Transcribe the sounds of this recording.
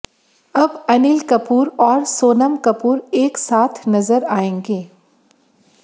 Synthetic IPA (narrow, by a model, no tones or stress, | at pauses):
ɐbɐnɪlkɐpuːɾɔːɾsoːnəmkɐpuːɾeːksaːt̪ʰnɐzəɾaːẽːŋɡeː